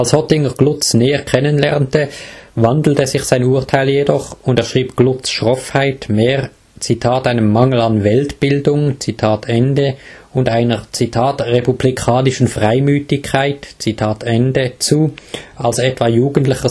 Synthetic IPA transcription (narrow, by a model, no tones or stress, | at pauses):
alshɔtɪŋəʁɡ̥lʊt͡snɛːəkʰɛnənlɛʁntəvandl̩təzɪçsaɪnuːɐtʰaɪljedɔχʊndeːɐʃʁ̥iːpɡ̥lʊt͡sʃʁɔfhaɪtmeːʁ | t͡sitʰaːtaɪnəmːaŋl̩anvɛltb̥ɪldʊŋt͡sitʰaːtɛndəʊndaɪnət͡sitʰaːtʁepublikʰaːnɪʃn̩fʁaɪmyːtɪkʰːaɪtt͡sitʰaːtɛndət͡suːalsɛtv̥ajuːɡən̩tlɪçə